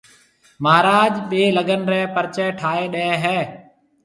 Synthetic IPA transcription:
maːɾaːd͡ʒɓeːləɡənɾɛːpəɾt͡ʃɛːʈʰaːeːɗeːɦɛː

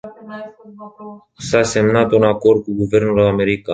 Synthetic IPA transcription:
sase̞mnat̪unako̞rd̪̚kuɡuve̞rnulame̞ɾika

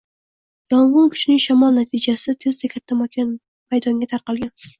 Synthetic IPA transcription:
jɒŋʁʊŋkʲʰʊ̥t͡ʃnɪŋʃamɒlˠnat̪ʰɪd͡ʒasɪt̪ʰezd̪akʲʰat̪ʰːamakʰʲan | majd̪ɒŋɡʲat̪ʰaɾqɑlˠɡʲan

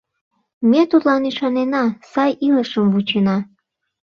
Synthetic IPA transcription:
mʲet̪ut̪lɑniʃɑnenɑsɑjiləʃəmvut͡ɕenɑ

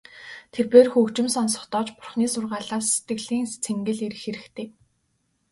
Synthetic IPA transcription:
t̪ʰerpeːrxɵkt͡ɕɪ̆msɔnsɔ̥̆χt̪ɔːt͡ɕpʊrχniːsʊrʁaːɮaːsːe̥t̪ɡɘ̆ɮiːŋst͡sʰeŋɡɘ̆ɮeɾɘ̆xeɾɘ̆xt̪ʰeː

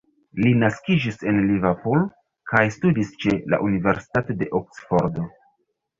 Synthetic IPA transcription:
linaskid͡ʒise̞nlivapolo | kajstudist͡ʃe̞la̰ʔunive̞ɾsi̥tatode̞ʔoksfo̞ɾdo̞

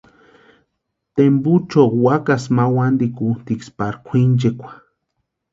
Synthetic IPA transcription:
t̪embut͡ʃokwakasmawand̪ikut̪ikspaɾkʷʰind͡ʒekʷḁ

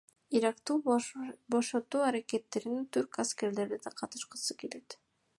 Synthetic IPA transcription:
iɾɑqt̪u | bo̞ʃot̪ːuːaɾake̞t̪ːe̞ɾinint̪ʰyɾkaske̞ɾle̞ɾd̪ed̪ɑqʰɑt̪ɯ̥ʃqə̥sɯkele̞t̪

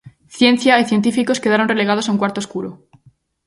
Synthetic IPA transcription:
θje̞nθjaiθje̞nt̪ifiko̞ske̞ðaɾonre̞le̞ɣað̞osauŋkwaɾt̪oskuɾo

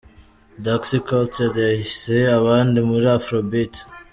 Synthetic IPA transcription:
daksikalt͡ʃeɾjahiseaβaːndimuɾiafɾobit

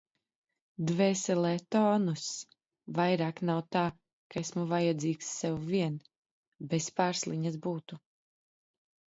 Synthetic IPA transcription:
d̪vɛːsɛlɛːt̪ɔːnus | vajɾaːknawt̪aː | kaɛsmuvajad̪ziːksːɛwviɛn | bɛspaːɾslˠiɲazbuːt̪u

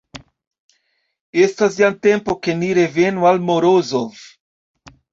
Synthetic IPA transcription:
estas̬jant̪e̞mpo̞ke̞niɾevenualmoɾozov

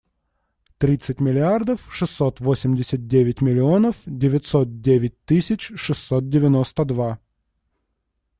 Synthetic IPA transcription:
t̪ɾʲit̪sɨtʲmʲɪlʲɪard̪əfʂɨsːot̪vosʲɪmdʲɪsʲət̪̚dʲevʲɪtʲmʲɪlʲɪo̞nəfdʲɪvʲɪt̪ʲso̞t̪̚dʲevʲɪt̚ʲt̪ɨisʲɪt͡ɕʂɨsːot̪̚dʲɪvʲɪnost̪əd̪va

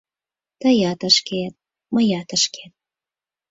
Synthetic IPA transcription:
t̪əjɑt̪əʃket̪̚ | məjɑt̪əʃkʰet̪̚

